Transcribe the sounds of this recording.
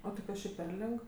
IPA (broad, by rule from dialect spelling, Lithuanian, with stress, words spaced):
oː tɐɪ ˈkɐs t͡ʃʲɛ pʲɛr ˈlʲɪk